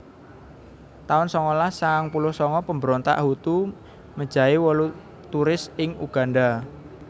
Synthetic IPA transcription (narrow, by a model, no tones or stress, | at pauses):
t̪aʊnsɔŋɔlasaŋpulʊhsɔŋɔpəmbəɾɔnt̪a̰ʔhut̪u | mə̥ʒ̥a̤iwɔlu | t̪uɾɪsɪŋuɡ̥a̤nda